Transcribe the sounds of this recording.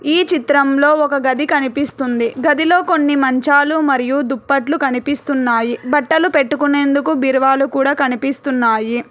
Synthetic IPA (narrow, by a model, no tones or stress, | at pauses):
iːt͡ʃit̪ɾɐmlo̞ːɔkɐɡɐd̪ikɐnipist̪und̪iɡɐd̪ilo̞ːko̞nːimɐɲt͡ʃaːlumɐɾijud̪upːɐʈlukɐnipist̪unːaːjibɐʈːɐlupe̞ʈːukune̞ːnd̪ukubiɾʋaːlukuːɽaːkɐnipist̪unːaːji